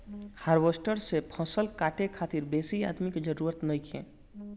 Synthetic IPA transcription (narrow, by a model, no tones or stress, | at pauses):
haːɾʋosʈəɾsepʰɔ̃ːsəlkaːʈʰekʰaːt̪ɪɾbeːsia̰ːd̪miked͡ʒəɾuːɾət̪nɐikʰḛ̃ː